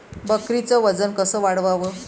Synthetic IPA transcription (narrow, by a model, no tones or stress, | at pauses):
bəkɾit͡səʋəd͡zənkəsəːʋaɽʋaʋəː